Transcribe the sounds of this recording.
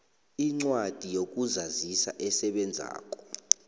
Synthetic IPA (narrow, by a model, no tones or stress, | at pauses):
iŋ͡ǀwad̥ʱijok̬ʼuzazisa̰ʔɛsɛɓɛnd͡zʱa̰ːk̬ʼɔ̥